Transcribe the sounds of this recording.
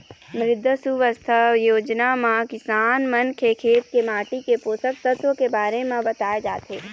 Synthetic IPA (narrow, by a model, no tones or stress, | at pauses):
mɾɪd̪ʱːəsuʋəst̪ʰəjoːd͡ʒnamãkɪsaːnmənkʰekʰeːt̪̚kemaːʈikepoːsəksət̪wəkebaːɾemẽbɐt̪aːed͡ʒaːt̪ɦeː